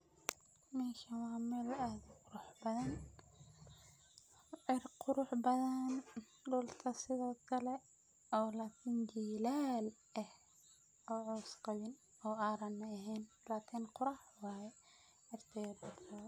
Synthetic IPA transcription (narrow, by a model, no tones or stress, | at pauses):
mɛːʃɐwɑːmɛːlaːd̪qʊɾʊħbɐðɐn | ʕɪrqʊɾʊħbɐðɐn | ɖʊlt̪ʰɐsɪðɔːkʰɐlɛ | ɔːlaːkʰɪnd͡ʒiːlaːl | ɛh | ɔːʕɔsqɑβɪn | ɔːaːɾɐnːɐɐɦɛːn | laːkʰɪnqʊɾɑːħwɑːjɛ | ʕɪrt̪ʰɛjɐbɐd̪rɐ